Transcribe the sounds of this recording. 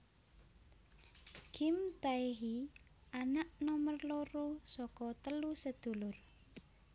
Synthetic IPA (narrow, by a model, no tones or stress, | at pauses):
ɡ̥imt̪aeɦi | ʔanaʔnɔmərloɾosɔkɔt̪əlusəd̪̥ṳlʊr